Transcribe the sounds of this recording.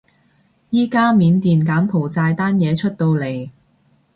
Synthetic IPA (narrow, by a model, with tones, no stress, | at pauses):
jiː˥kaː˥miː˨˧nt̪iː˨nkaː˨˥mpʰo˨˩wt͡saː˧jt̪aː˥njɛː˨˧t͡ʃʰɵ˥t̚t̪o˧wle˨˩j